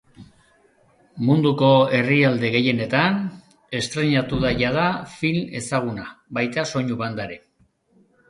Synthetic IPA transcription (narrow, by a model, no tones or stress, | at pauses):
mund̪uko̞e̞riald̪e̞ɣe̞je̞ne̞t̪an | e̞st̪ɾe̞ɲat̪uðaʝað̞afile̞saɣ̞unaβajt̪aso̞ɲuβand̪aɾe